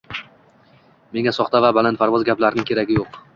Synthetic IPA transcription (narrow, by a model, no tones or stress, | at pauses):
me̞ŋʲasɒχt̪avabalanpʰaɾvɒzɡʲaplaɾɪnɪŋkʲʰeɾaɡʲɪjoq